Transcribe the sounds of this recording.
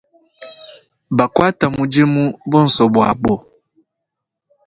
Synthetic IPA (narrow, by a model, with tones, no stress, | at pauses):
ba˨ka˦ta˨mu˦d͡ʒe˦mu˦bɔ˦n̩˨sɔ˨bwa̰˨bo˦˨